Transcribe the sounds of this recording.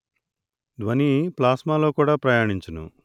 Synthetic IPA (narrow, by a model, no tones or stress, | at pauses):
d̪ʋɐniplaːsmaːlo̞ːkuːɽaːpɾɐjaːɳiɲt͡ʃɐnṵ